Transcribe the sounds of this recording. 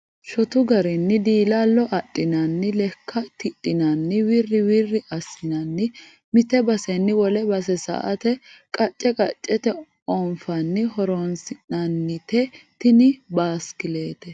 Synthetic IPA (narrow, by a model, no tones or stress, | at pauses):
ʃɔt̪ʊɡɐɾɪnːɪd̪iːlalːɔʔɐtʼːɪnɐnːɪlɛkːɐt̪ɪtʼːɪnɐnːɪwirːɪwirːɪʔɐsɪnɐnːɪ | mɪt̪ɛbɐsɛnːɪwɔlɛbɐsɛsɐ̰ʔɐ̰t̪ɛkʼɐt͡ʃʼːɛkʼɐt͡ʃʼːɛt̪ɛ | ɔnfɐnːɪhɔɾonsɪnɐnːɪt̪ɛt̪ɪnɪbaːskɪleːt̪ɛ